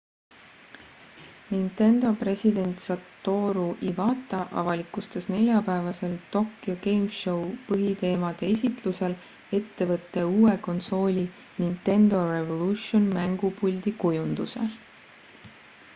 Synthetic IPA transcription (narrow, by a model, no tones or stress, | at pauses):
nint̪e̞nd̪o̞pre̞sʲid̪e̞nʲt̪sɑt̪ːo̞ːɾuʔivɑːt̪ːˑɑʔɑ̰vɑlikˑust̪esne̞lʲjɑpæevɑse̞lt̪o̞kːioɡe̞jmʃo̞wpɤɦit̪e̞ːmɑd̪̥e̞esʲit̪luse̞l | e̞t̪ːe̞vɤt̪ːe̞uːe̞ko̞nso̞ːlʲi | nint̪e̞nd̪̥o̞re̞vo̞luʃionmæŋɡ̥upulʲd̪̥ikujund̪use̞̰